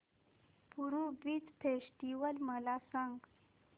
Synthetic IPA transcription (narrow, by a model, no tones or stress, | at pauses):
puɾubit͡spʰeʂʈiwəlməlasəŋɡ